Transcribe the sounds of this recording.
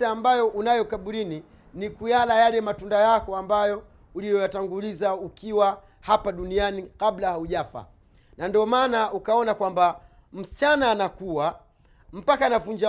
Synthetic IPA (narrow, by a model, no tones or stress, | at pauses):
aːmbajɔʔunajɔkaɓuɾini | nikujalajalɛmatundajakɔambajɔ | ulijɔjataŋɡulizaukiwa | hapaɗunianikablahauʄafa̰ | nandiɔmaːnaukaɔnakwamba | m̩si̥t͡ʃanaːnakuwa | m̩pakanavuɲd͡ʒa